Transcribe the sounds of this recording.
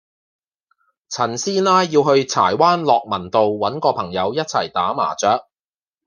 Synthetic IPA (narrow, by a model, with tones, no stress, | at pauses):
t͡sʰɐ˨˩nsiː˥naː˥jiː˧whɵ˧ɥt͡sʰa̰ː˨˩jwaː˥nlɔː˨k̚mɐ˨˩nt̪o˨wːɐ˨˥nkɔː˧pʰɐ˨˩ŋjɐ˨˧wjɐ˥t̚t͡sʰɐ̰˨˩jt̪aː˨˥ma̰ː˨˩t͡sœː˨˥k̚